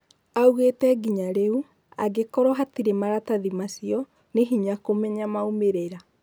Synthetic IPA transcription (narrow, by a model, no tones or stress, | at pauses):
auɣetɛɡiɲaɾeu | a̰ɡekɔɾɔɦatiɾemaɾataðimasiɔ | neɦiɲakomɛɲamaomeɾeɾa